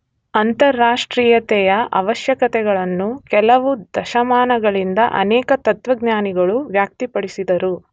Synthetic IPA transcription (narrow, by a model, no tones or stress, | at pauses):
ɐnt̪ɐɾːaːʂʈɾiːjɐt̪ɛjɐʔɐ̰ʋɐʃjɐkɐt̪ɛɡɐɭɐnːukɛlɐʋud̪ɐʃɐmaːnɐɡɐɭind̪ɐ̰ʔɐ̰nɛːkɐt̪ɐt̪ʋɐɡɲaːniɡɐɭuʋjaːk̚t̪ipɐɽisid̪ɐɾu